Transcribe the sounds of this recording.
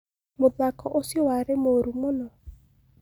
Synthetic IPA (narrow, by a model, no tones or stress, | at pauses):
mʊdakɔʔosɪwaɾɪmoɾumɔnɔ